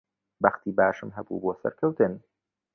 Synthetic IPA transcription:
bɐxt̪iːbaːʃɨmɦɐbṵːboːsɐ̰ɾkʰɐwt̪ɨn

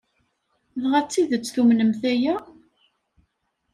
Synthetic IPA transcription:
ðʁat͡sːiðət͡sːθumnəmθæjæ

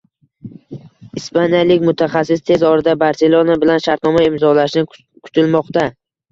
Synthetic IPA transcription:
ɪspanijalɪkʲmʊt̪ʰaχasːɪst̪ʰe̞zɒɾɪd̪abaɾse̞lˠonabɪlanʃaɾt̪nɒmaɪmzɒlaʃɪnɪ | kʰʊ̥t̪ʰɪlmɒqt̪a

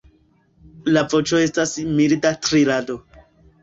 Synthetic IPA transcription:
lavo̞t͡ʃo̞e̞stasmildatɾilado̞

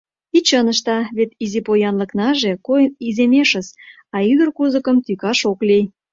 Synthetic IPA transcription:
it͡ɕənəʃt̪ɑβet̪izipojɑnlə̆knɑʒekojənizemeʃə̆s | ɑyd̪ə̆rkuzə̆kəmt̪ykɑʃokli

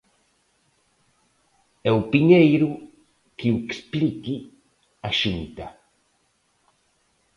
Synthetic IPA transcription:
ɛwpiɲejɾu | kiwekspliki | aʃint̪a

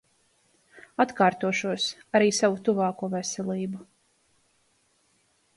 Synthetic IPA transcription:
at̪kaːɾt̪uɔʃuɔsaɾiːsavut̪uvɑːkuɔvɛsɛlˠiːbu

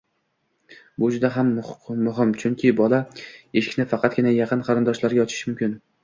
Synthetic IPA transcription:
bʊd͡ʒʊd̪aɦamːʊɦɪmt͡ʃʰʊŋkʲʰɪbɒlˠaeʃɪ̥kʲnɪfɑqʰɑt̪̚ɡʲɪnajɑqʰɨnqʰɑɾɪnd̪ɒʃlaɾɡʲaɒt͡ʃʰɪ̥ʃmʊmkʲʰɪn

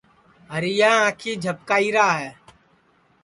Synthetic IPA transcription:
ɦəɾɪjãːãːkʰiːd͡ʒʱəp̚kaːiːɾaːɦɛː

